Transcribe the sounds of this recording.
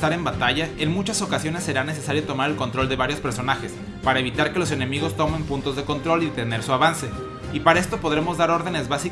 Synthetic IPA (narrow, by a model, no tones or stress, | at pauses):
t̪aɾe̞mbat̪aʝae̞nmut͡ʃaso̞kasjo̞ne̞sːeɾane̞s̬e̞saɾjo̞t̪o̞maɾe̞lko̞nt̪ɾo̞ld̪e̞βaɾjospe̞ɾso̞naxe̞s | paɾae̞β̞it̪aɾke̞lo̞s̬e̞nẽ̞miɣ̞o̞st̪o̞me̞mpunt̪o̞zðe̞ko̞nt̪ɾo̞lit̪e̞ne̞ɾsuaβanse̞ | ipaɾae̞st̪o̞po̞ðɾe̞mo̞zðaɾo̞ɾðe̞ne̞zβasi